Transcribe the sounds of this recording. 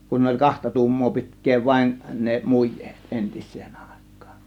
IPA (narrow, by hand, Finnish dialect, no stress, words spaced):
kun olʲ kɑhtɑ tu̞umːoː pi̞tkˑeː ʋɑe̝n ne mujˑe̥ːt ʔentisˑeːn ɑˑe̞kːɑ̥ːn̥